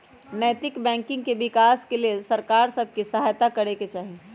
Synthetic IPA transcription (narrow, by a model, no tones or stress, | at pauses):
nəjt̪ɪkbɛ̃ːŋkɪ̃ŋɡ̚kebɪkaːskeleːsɐɾkaːɾsəb̚ʱkisɐɦaːjt̪akɐɾeket͡ʃaːɦi